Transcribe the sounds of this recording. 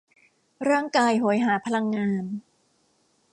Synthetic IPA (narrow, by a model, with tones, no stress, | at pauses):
ɾaː˥˩ŋkaː˧jɦoː˩˦jɦaː˩˦pʰa˧la˧ŋːaː˧n